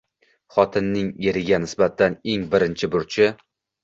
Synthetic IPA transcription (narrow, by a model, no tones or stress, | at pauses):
χɒt̪ʰɪnːɪŋeɾɪɡʲanɪsbat̪ʰane̞ŋbɪɾɪnt͡ʃʰɪbʊɾt͡ʃʰɪ